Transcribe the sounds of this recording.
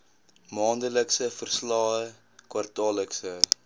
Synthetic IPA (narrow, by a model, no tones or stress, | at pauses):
mɑːndələksəfərslɑːə | kwɐrtɑːləksə